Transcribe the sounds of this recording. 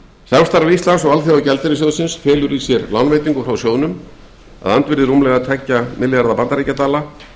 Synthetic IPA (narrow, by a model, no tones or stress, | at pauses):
samst̪aɾvist̪lansɔɣalθiawcɛlt̪ɪɾɪs̬owðsɪnsfɛːlʏɾisjɛɾlawnvejt̪iŋkʏfɾawsjoːwnʏm | a̰ðant̪vɪɾðɪrumlɛɣat̪ʰɛcːamɪljaɾðapant̪aɾijcːat̪aːla